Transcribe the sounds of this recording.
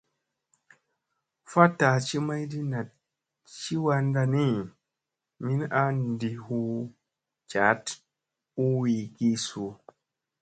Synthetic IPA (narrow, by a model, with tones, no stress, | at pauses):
fa˦ta˨t͡ʃi˦ma˦jdi˦na˨t̚ | t͡ʃi˦wa˧n˦da˧ni˦˨ | mi˦na˦n˦di˨hu˦ | t͡ʃa˨˦t | u˦wi˨ɡi˦su˨